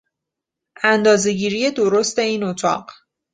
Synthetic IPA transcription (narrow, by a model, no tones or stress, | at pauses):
ænd̪ɒːze̞ɟiːɾije̞d̪o̞ɾo̞st̪e̞iːnot̪ʰɒ̰ːɢ